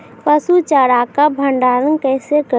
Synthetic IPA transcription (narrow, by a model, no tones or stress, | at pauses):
pəsut͡ʃaːɾakabʱəɳɖaːɾənkɛːsekə